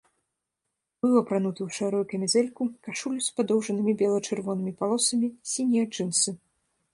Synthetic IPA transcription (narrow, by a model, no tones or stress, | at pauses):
bɨwɐpɾanut̪ɐwʂaɾujukɐmʲɛzɛlʲkukaʂulʲuspad̪ɔwʐɐnɨmʲibʲɛlˠɐt͡ʂɨrvɔnɨmʲipalˠɔsɐmʲisʲinʲiat͡ʂɨnsɨ